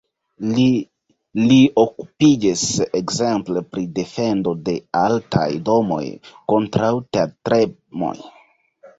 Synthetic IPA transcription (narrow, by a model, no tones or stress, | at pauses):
lioku̥pid͡ʒisekze̞mple̞pɾide̞fe̞ndo̞de̞alta̰jdo̞mo̞̰jko̞ntɾawteatɾe | mo̞̰j